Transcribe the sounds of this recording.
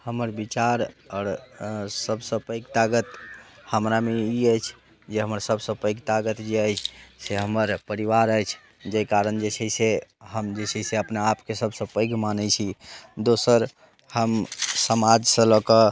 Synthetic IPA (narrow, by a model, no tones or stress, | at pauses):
həməɾbit͡ʃaɾɔɾsəbsə̃pəɪɡt̪aɡət̪həmɾameiəjt͡ʃʰ | d͡ʒeɦəməɾsəbsə̃pəɪɡt̪aɡət̪d͡ʒeəjt͡ʃʰseɦəməɾpəɾiʋaɾəjt͡ʃʰ | d͡ʒekaɾənd͡ʒet͡ʃʰəseɦəmd͡ʒesʰəjseəpnaapkesəbʱsə̃pəɪɡmanət͡ʃʰid̪osəɾ | həmsəmad͡ʒsə̃ləkə